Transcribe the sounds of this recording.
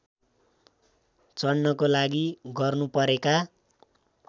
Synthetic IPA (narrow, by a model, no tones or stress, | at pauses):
t͡sʌnːʌkolaɡiɡʌrnupʌɾeka